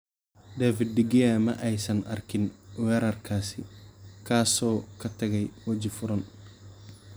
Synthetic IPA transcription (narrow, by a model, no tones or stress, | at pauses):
d̪aːfɪd̪̚dɪɡɪjamɐ̰ʔɛjsɐnʔɐ̰rkʰɪnwɛːɾɐrkʰaːsɪ̰kʰaːsɔːkʰɐt̪ʰɐɣɛjwɐd͡ʒɪfʊɾɐn